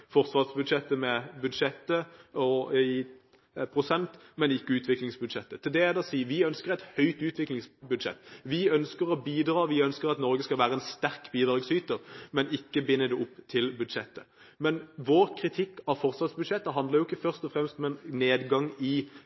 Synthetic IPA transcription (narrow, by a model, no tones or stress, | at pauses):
fɔɾsʋɑʁsbʉd̪ʂɛt̪ːəmɛbʉd̪ʂɛt̪ːəɔi | pʰʁʊsɛnt̪mɛnɪkːəʉːt̪ʰʋɪklɪŋsbʉd̪ʃɛt̪ːət̪ʰɪld̪ɛæd̪ɑːsiːʋɪœnskəʁɛɪt̪hœʏt̪ʉːt̪ʰʋɪklɪŋsbʉd̪ʃɛ̰t̪ːʋɪœnskəʁɔbiːd̪ɾɑːʋɪœnskəʁɑt̪nɔɾɡəskɑlʋæːɾəɛnst̪æʁkbiːd̪ʁɑːɡsyːt̪əʁmɛnɪkːəbɪnːəd̪ɛʊpːt̪ʰɪlbʉd̪ʂɛt̪ːə | mɛnʋoːɾkʰɾɪt̪ʰɪkːɑfɔʁsʋɑːt̪sbʉd̪ʃɛt̪ːəɦɑnd̪ləɾjʊɪkːəfœʁst̪ɔfɾɛmst̪ɔmɛnneːd̪ɡɑŋɪ